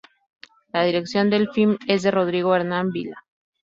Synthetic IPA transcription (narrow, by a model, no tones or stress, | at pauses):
lað̞iɾe̞ksjo̞nd̪e̞lfilme̞zðe̞ro̞ð̞ɾiɣoeɾnambila